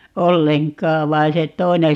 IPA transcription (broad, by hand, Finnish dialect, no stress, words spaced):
olːeŋkˑɑːʋ ʋɑi se tˑoi̯ne